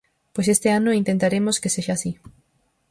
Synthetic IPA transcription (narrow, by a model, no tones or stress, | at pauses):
pojsest̪eanoint̪ent̪aɾemoskeseʃaːsi